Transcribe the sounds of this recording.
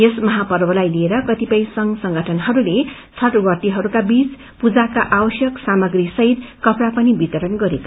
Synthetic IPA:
jesmʌɦapʌrbʌlajlieɾʌkʌt̪ipʌj̃sʌŋɡsʌŋɡʱʌʈʰʌnɦʌɾule | t͡sʰʌʈwʌt̪iɦʌɾukabit͡s | pud͡zakaʔabʌsjʌksamʌɡrisʌɦid̪kʌpɾapʌnibit̪ʌɾʌnɡʌɾeka

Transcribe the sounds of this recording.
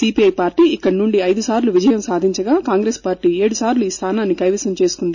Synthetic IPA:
siːpiɐjpaːɾʈiːikːɐɽinuɳɖiɐjd̪usaːɾluʋid͡ʒɐjɐmsaːd̪ʱiɲt͡ʃɐɡaːkaːŋɡɾeːspaːɾʈiːe̞ːɽusaːɾluiːst̪ʰaːnaːnːikɐjʋɐsɐmt͡ʃe̞ːsu̥kund̪i

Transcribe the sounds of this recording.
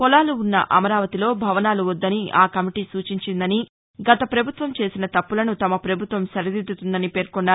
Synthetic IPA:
kɔlaːluːnːɐ̰ʔɐmɐɾaːʋɐt̪ilo̞ːbʱɐʋɐnaːluʋɔd̪ːɐniʔaːkɐmiʈiːsuːt͡ʃiɲt͡ʃind̪ɐni | ɡɐt̪ɐpɾɐbʱut̪ʋɐmt͡ʃe̞ːsinɐt̪ɐpːulɐnut̪ɐmɐpɾɐbʱut̪ʋɐmsɐɾid̪id̪ːut̪und̪ɐnipeːɾkɔɳɖaː

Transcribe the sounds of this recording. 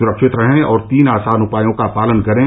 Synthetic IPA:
ʊɾəkʃɪt̪ɾɐɦẽɔːɾt̪iːnaːsaːnʊpaːjõkapaːlənkɐɾẽ

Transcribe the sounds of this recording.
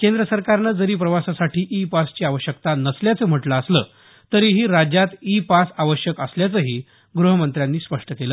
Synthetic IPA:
kend̪ɾəsəɾkaɾnəːd͡zəɾiːpɾəʋasasaʈʰiːʔipast͡ɕiːaʋəɕjəkt̪anəsljat͡səːm̤əʈləːslə̰ | t̪əɾiːɦiːɾad͡ʑjat̪ipasaʋəɕjəkəsljat͡səɦiː | ɡɾuɦəmənt̪ɾjanːiːspəʂʈəkelə

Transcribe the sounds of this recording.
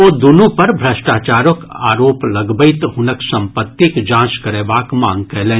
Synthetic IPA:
oːd̪unũpɐɾbʱɾɐsʈaːt͡ʃaːɾokaːɾoːplɐɡbəɪt̪ɦʊnəksɐ̃mpət̪ːikd͡ʒãːskɐɾeːbaːkmãːŋɡkɛɦlẽː

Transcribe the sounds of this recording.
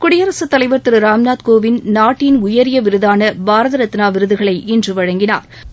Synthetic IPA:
kʊɽɪjɐɾɐsɐt̪ːɐlɐɪʋɐɾt̪ɯɾɯɾaːmnaːt̪koːʋɪnnaːʈːɪnʊjɐɾɪjɐʋɪɾɯðaːnɐbaːɾɐðɐɾɐt̪ːɪnaːʋɪɾɯðɯɣɐɭɐɪʔɪndrɯʋɐɻɐŋɡɪna̰ːɾ

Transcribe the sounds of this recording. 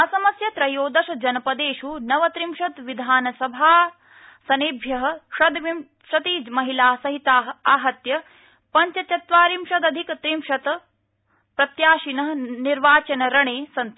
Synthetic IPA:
ɐsɐmɐsjɐt̪ɾɐjoːd̪ɐʃɐd͡ʒɐnɐpɐd̪eːʃunɐʋɐt̪ɾimʃɐt̪ʋid̪ʱaːnɐsɐbʱaː | sɐniːbʱjɐɦɐ̆ʃɐd̪ʋim | ʃɐt̪iːd͡ʒmɐɦilaːsɐɦit̪aːɦɐaːɦɐt̪jɐ | pɐɲt͡ʃɐt͡ʃɐt̪ʋaːɾimʃɐd̪ɐd̪ʱikt̪ɾimʃɐt̪ | pɾɐt̪jaːʃinɐɦɐniɾʋaːt͡ʃɐnɐɾɐɳeːsɐnt̪

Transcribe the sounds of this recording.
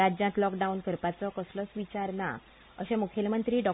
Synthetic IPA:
ad͡ʑjãt̪lɔkɖaunkəɾpat͡sɔkəsləsʋit͡ɕaɾna̰ | ə̰ɕẽmukʰjelmənt̪ɾiːɖɔ

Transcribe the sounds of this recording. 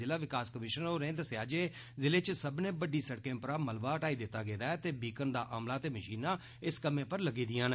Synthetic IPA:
ɪlaːʋɪkaːskəmɪʃənoːɾẽːnd̪əsɪjaːd͡ʒeː | zɪleːt͡ʃsəbnẽːbəɖiːsəɽkẽːpəɾaːməlʋaːəʈaːiːd̪ɪt̪ːaːɡeːd̪aːɛt̪eːbiːkənd̪aːʔaːmlaːt̪eːməʃiːnaː | ɪskəmẽːpəɾləɡiːd̪ɪjãːn

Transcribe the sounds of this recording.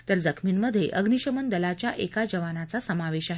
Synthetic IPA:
t̪əɾd͡zəkʰminməd̪ʱːjḛʔəɡniɕəmənd̪əlat͡ɕjaʔekad͡ʑəʋanat͡sasəmaʋeɕaɦe

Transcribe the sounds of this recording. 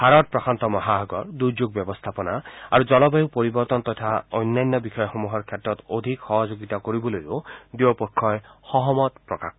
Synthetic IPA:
haɾɔt̚pɹɔkʰant̪ɔmɔɦaɦɔɡɔɹd̪uɾd͡ʒoɡ̚bjɔbɔst̪ʰapɔnaa̰ɹud͡ʒɔlɔbajupoɾibɔɾt̪ɔnt̪ɔt̪ʰaɔjnːajnːɔbixʰɔjɔxɔmuɦɔɹkʰjɛtːɔt̪od̪ʱikxɔɦɔd͡ʒoɡit̪akoɾibɔlojodiwɔpɔkʰːɔjhɔɦɔmɔt̪pɹɔka̰k̚ʰ

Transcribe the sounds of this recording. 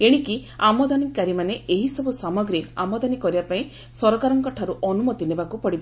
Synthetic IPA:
eɽ̃ikiamɔd̪anikaɾimaneeɦisɔbusamɔɡɾia̰mɔd̪anikɔɾibapaĩ | sɔɾɔkaɾɔŋkɔʈʰaɾuʔɔnumɔt̪inebakupɔɽiba

